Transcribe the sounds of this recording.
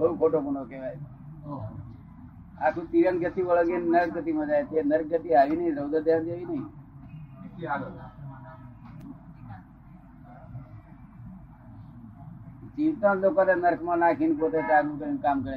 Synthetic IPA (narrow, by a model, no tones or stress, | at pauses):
bəukʰoʈobunokeʋaj | akʰũt̪iɾənɡət̪iʋəɭəɡennəɾk̚ɡət̪imãd͡ʒajt̪enəɾk̚ɡət̪iaʋinəɦĩɾəd̪əd̪ʱjand͡ʒaʋinəɦĩ | d͡ʒiʋt̪õlokot̪enəɾkʰmãnakʰinp̬ot̪et͡ʃaɾnũkəɾinkamkəɾe